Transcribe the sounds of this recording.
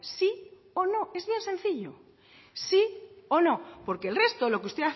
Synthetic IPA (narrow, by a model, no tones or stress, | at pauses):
si | ono̞e̞zβje̞nsẽ̞nθiʎo̰ | sio̞no̞po̞ɾke̞lre̞st̪olo̞keust̪e̞a